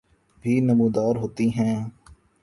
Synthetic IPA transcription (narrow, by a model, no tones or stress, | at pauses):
bʱiːnəmũːd̪aːɾɦoːt̪iɦɛ̃ː